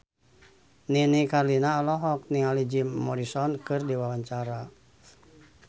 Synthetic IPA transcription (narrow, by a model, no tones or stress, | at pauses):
ninikarlinaːlɔɦɔk̚niŋalid͡ʒimːɔɾisɔnkɨrdiwawaɲt͡ʃaɾa